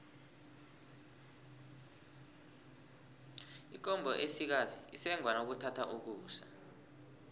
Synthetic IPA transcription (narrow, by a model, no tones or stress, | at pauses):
ik̬ʼɔmbʱɔʔesik̬aziisɛŋwanok̬utʰatʰa̰ʔuk̬uːsa